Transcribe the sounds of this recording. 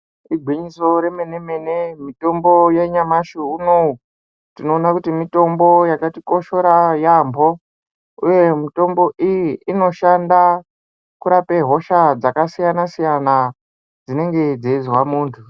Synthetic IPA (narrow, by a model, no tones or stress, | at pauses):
iɡʱwiɲiso̞ɾe̞me̞ne̞me̞ne̞mito̞mbo̞jeɲamaʃuunou | tino̞ːnakutimito̞mbo̞jakatiko̞ʃo̞ɾajambo̞ | uje̞mito̞mbo̞ʔijiːno̞ʃanda | kuɾape̞ɦo̞ʃad͡zakasijanasijana | d͡zine̞ŋɡe̞d͡zeizwamuːntʰu